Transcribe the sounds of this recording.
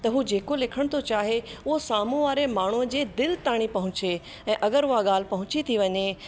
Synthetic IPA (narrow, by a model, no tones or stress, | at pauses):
t̪ɐɦud͡ʑeːkolɪkʰəɽ̃t̪ʰot͡ɕaːɦeʊɦosaːmũʋaːɾemaːɳ̤uəd͡ʑeːd̪ɪlt̪aːɽ̃ipɐɦʊ̃t͡ɕe | ɛ̃ːʔɐɡəɾʊɦaɠaːl̤ɪpɐɦʊ̃t͡ɕit̪ʰiʋɐɲe